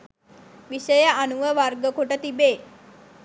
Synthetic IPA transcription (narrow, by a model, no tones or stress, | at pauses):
ʋiʃəjəʔanuʋəʋarɡəkoʈət̪ibeː